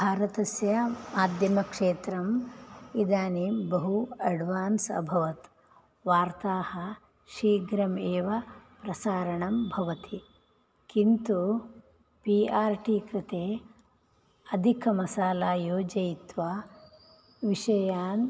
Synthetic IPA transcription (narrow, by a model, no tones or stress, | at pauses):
bʱaːɾɐt̪ɐsjɐmaːd̪ʱjɐmɐkʂeːt̪ɾɐmid̪aːnibɐɦuɐɖʋaːnsɐ̰bʱɐʋɐt̪ | ʋaːɾt̪aːhɐ̆ | ʃiːɡɾɐmeːʋɐpɾɐsaːɾɐɳɐmbʱɐʋɐt̪i | kint̪u | piːaːɾʈiːkɾɪt̪eː | ɐd̪ʱikʰɐmɐsaːlaːjoːd͡ʒɐjit̪ʋaː | ʋiʃɐjaːn